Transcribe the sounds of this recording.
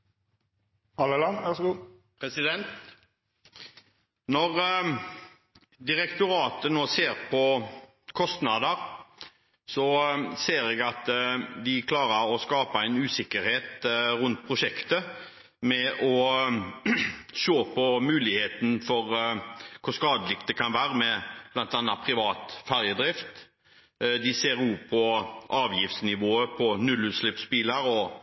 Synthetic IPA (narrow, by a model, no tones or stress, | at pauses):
hɑləlɑnʋæʁsɡuː | pʰɾɛsɪd̪ɛnt̪ | nɔʁ | d̪ɪʁɛkt̪ʊɾɑːt̪ənoːseːʁpʰɔ | kʰɔst̪nɑːd̪əʁ | sɔseːɾɛɡɑt̪d̪ɪkʰlɑːʁəɾɔskɑːpəæɪnʉːsɪkːəɾheːt̪ɾʉnt̪̚pʰɾʊʂɛkt̪ə | mɛʔɔ | ʃoːpʰɔmʉːlɪheːt̪n̩fɔɾkʰʊɾskɑːd̪əlɪk̚t̪d̪ɛkʰɑnʋæːɾəmɛb̥lɑnt̪ɑnːɑt̪pʰɾɪʋɑːt̪fæɾjəd̪ɾɪft̪ | d̪ɪseːɾʉːpʰɔʔɑːʋjɪft̪snɪʋoːəpʰɔnʉlʉːt̪slɪpspɪləɾɔ